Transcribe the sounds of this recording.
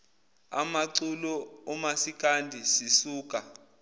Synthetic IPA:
a̰maǀulɔːmasik̬ʼandʱisisuːk̬ʼa

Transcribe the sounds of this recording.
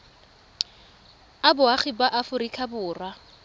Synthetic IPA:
abʊaχɪbaʔafʊɾikʰabʊːrwa

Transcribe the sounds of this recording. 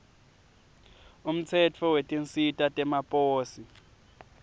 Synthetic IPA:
um̩t͡sʰɛt͡fʰɔwetʼinsitʼatʼɛmapʼoːsi

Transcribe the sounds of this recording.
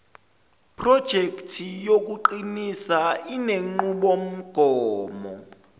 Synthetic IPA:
pʰrɔd̥ʒ̥ʱekʼtʰijok̬ʼuǃinisaineŋ͡ǃuɓom̩ɡ̥ʱɔːmɔ̰

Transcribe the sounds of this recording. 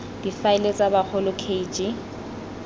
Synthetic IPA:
d̥ifaɪlet͡sʼabak͡xʰʊlʊkʰeit͡ʃʼɪ

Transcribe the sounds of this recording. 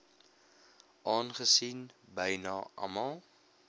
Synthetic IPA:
ʔɑːnχəsinbəjnɑʔɐ̰mɐlˠ

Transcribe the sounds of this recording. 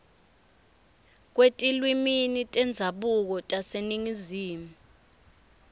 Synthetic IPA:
k̬wetʼilwiminitʼɛnd͡zʱaɓuk̬ɔtʼaseniŋiziːmu

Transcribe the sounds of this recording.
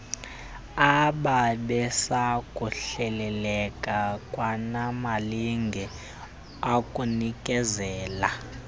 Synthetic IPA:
aɓaɓɛsakʼuɬɛlɛlɛkʼakʼwanamaliŋɡʱɛ | akʼunikʼɛzɛːla

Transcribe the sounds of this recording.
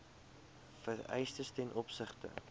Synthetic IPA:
fərɛ̰jstəstɛnʔɔpsəχtə̰

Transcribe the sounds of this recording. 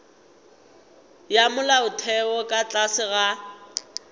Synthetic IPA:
jamʊlaʊtʰɛɔkʼat͡ɬʼasɪɣa

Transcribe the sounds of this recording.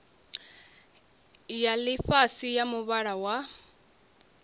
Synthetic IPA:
jaliɸasijamuβaɺawa

